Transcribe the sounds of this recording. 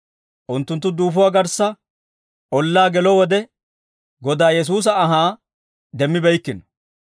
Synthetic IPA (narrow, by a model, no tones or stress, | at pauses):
ʔʊnt̪ːʊnt̪ːʊd̪uːfʊwaːɡɐɾsːɐ | ʔɔlːaːɡɛlɔwɔd̪ɛ | ɡɔd̪aːjɛs̬uːs̬ɐɐɦaː | d̪ɛmːɪbɛjkːɪnɔ̥